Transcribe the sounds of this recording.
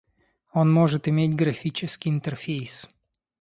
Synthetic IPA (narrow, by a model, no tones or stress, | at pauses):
onmoʐɨt̪ɪmʲetʲɡɾɐfʲit͡ɕɪskʲiɪnt̪ɛrfʲejs